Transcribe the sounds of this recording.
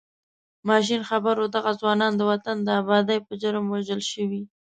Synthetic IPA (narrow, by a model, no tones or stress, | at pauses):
mɑʃ̬inxabaɾod̪aɣazwɑnɑnd̪əwat̪and̪əabɑd̪ajpəʒəɾəmwaʒəlʃəwi